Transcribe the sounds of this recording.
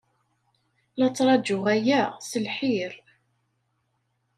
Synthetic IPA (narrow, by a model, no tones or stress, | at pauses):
lɑt͡sːɾˤɑd͡ʒʊʁæjæsəlħiɾ